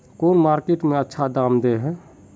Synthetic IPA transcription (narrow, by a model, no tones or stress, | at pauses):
koːnmaːɾkeʈmẽətːʃʰad̪aːmd̪eɦɛ̃ː